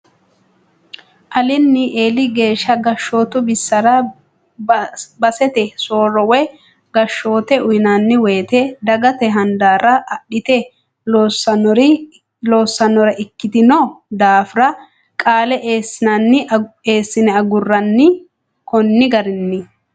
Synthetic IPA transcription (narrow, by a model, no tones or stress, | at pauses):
ʔɐlɪnːɪʔeːlɪɡe̞ːʃːɐɡɐʃːo̞ːt̪ʊbɪsːɐɾɐ | bɐsɛt̪ɛso̞ːɾɔwɛ | ɡɐʃːo̞ːt̪ɛʊjɪnanːɪweːt̪ɛd̪ɐɡɐt̪ɛɦɐnd̪aːɾɐɐɗɪt̪ɛ | lo̞ːsːɐnɔɾɪ | loːsːɐnɔɾɐʔɪkːɪd̪ɪnɔd̪aːfɾɐ | kʼaːlɛʔeːsːɪnɐnːɪe̞ːsːɪnɛɐɡʊrːɐnːɪ | kɔnːɪɡɐɾɪnːɪ